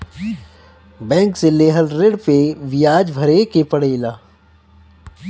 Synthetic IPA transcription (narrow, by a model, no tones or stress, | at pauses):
bɛ̃ːŋkseleːɦəlɾɪɽpeʋɪjaːd͡ʒbʱɐɾekepɐɽeːlaː